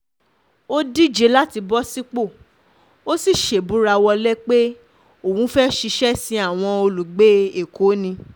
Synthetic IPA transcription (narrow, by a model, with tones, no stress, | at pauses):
o˦di˦˨d͡ʒe˧˦la˦ti˧bɔ˦si˦k͡po˦˨ | o˦si˦˨ʃe˨bu˨˦ɾa˧wɔ˧lɛ˦k͡pe˦ | o˦˨wũ˨˦fɛ˦ʃi˧ʃɛ˦sĩ˧˦a˦˨w̃ɔ̃˧o˧lu˨ɡ͡be˨˦e˨kʰo˨˦nĩ˧